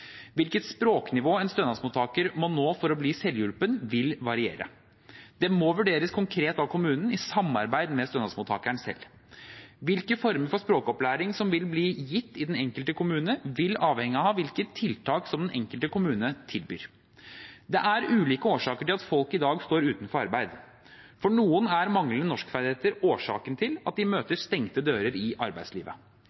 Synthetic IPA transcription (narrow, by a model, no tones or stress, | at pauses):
ʋɪlkət̪spɾoːknɪʋoːɛnst̪œnɑsmʊt̪ʰɑːkəɾmɔnoːfɔɾɔbliːsɛljʉlpənʋɪlʋɑɾɪḛːɾə̰ | d̪̥ɛmɔʋʉɖeːɾəskʰʊŋkʰɾeːt̪ɑkʰʊmʉːnn̩ɪsɑmːɑ̰ɾbæɪd̪mɛst̪œnɑsmʊt̪ʰɑ̰ːkæɳsɛ̰lː | ʋɪlkəfɔɾməɾfɔʂpɾoːkɔplæːɾɪŋsɔmʋɪlbliːjɪt̪ːɪd̪ɛnɛŋkəlt̪əkʊmʉːnəʋɪlɑːʋhɛŋɪɑhɑːʋɪlkət̪ʰːɪlt̪ʰɑːksɔmd̪ɛnʔɛŋkəlt̪əkʰʊmʉːnət̪ʰɪlby̰ːɾ | d̪ɛʔæɾʉːliːkəoːʂɑːkəʈɪlɑt̪fɔlkɪd̪ɑːɡst̪oːɾʉːt̪nfɔɾɑɾbæɪd̪ | fɔɳuːənæɾmɑŋləənɔʂkfæd̪ɪheːt̪əɾoːʂɑ̰ːkənt̪ʰɪlɑt̪̚d̪ɪmøːt̪əɾst̪ɛŋt̪əd̪øːɾəɾɪʔɑɾbæɪd̪slḭːʋə̰